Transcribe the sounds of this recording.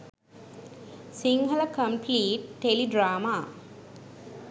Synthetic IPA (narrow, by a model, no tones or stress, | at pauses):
siŋɦɐləkəmpliːʈːeliɖɾaːmaː